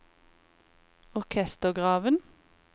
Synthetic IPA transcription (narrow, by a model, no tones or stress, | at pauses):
ɔʁkʰɛst̪əʁɡʁɑːʋən